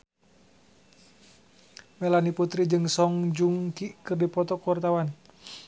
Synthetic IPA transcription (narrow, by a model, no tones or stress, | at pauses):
mɛlaniput̪ɾid͡ʒɨŋsɔŋd͡ʒuŋkiʔkɨrdipɔt̪ɔkwart̪awan